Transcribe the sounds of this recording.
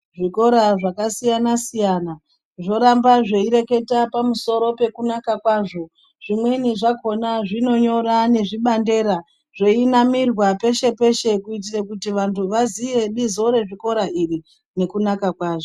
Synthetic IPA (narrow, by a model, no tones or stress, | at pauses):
ʐiko̞ɾaʐakasijanasijana | ʐo̞ɾambaʐe̞iɾe̞ke̞tapamuso̞ɾo̞pe̞kunakakwaːʐo̞ | ʐimweniʐako̞naʐino̞ɲo̞ɾane̞ʐiɓande̞ɾa | ʐeinamirwape̞ʃe̞pe̞ʃe̞kuit̬irakutiʋantʰuʋazije̞ɗizo̞ɾe̞ʐiko̞ɾaʔiri | ne̞kunakakwaːʐo